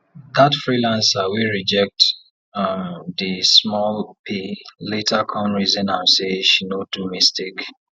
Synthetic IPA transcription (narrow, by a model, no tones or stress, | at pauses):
ðatfɹilãnsawiɹid͡ʒɛk̚t | ðismɔlpʰiletʰakʰɔ̃nɹizɔ̃nãɪmseʃinodumistek